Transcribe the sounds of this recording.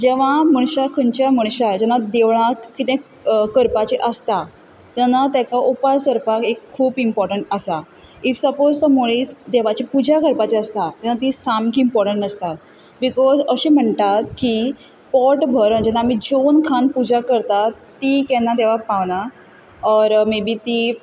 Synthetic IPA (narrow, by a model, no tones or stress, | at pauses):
d͡ʑɛʋ̤aməɳ̃ɕakʰənt͡ɕjaməɳ̃ɕad͡ʑɛnad̪eʋɭ̃akkit̪ẽ | kəɾpat͡ɕeʔəst̪a | t̪anat̪jakaʔupasəɾpakekkʰːuːbimpɔɾʈəɳʈəsa | ifsəpozt̪əmoɭiːsd̪eʋat͡ɕipud͡ʑʱakəɾpat͡ɕeəst̪at̪janat̪isamkiːmpɔɾʈəɳʈəst̪at̪̚ | bikɔzəɕim̤əɳt̪at̪̚ki | pɔʈbʱəɾənd͡ʑɛnːaːm̤id͡zonkʰanpud͡ʑʱakəɾt̪at̪ːiːkɛnːad̪eʋapaʋna | ɔɾmebʱiːt̪i